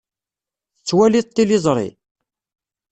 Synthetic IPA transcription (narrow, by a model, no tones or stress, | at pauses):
θət͡sːwælit̪ːilizˤɾˤḭ